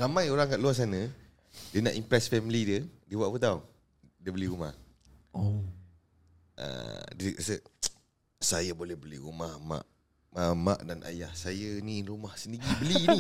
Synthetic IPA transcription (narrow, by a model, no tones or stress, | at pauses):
ramãjoɾaŋkaʔluas̬anə̃ | diəna̰ʔimpɾɛsfɛmilidiədiəbwaʔpət̪aw | diəbəliɾumah | o | ə̰dikasə | sajabolɛhbəliɾumahma̰ʔ | əma̰ʔdanʔa̰jahsajəniːnrumahsəndiɡibəliːni